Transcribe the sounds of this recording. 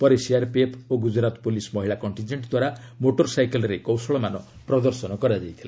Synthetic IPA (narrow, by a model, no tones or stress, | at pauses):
pɔɾesiaɾpepʰoɡud͡ʒɾat̪pulismɔɦiɭakɔɳʈind͡ʒeɳʈd̪waɾamoʈɔɾsajkelɔɾekɔwsɔɭɔmanɔ | pɾɔd̪ɔɾsɔnɔkɔɾad͡ʒajt̪ʰila̰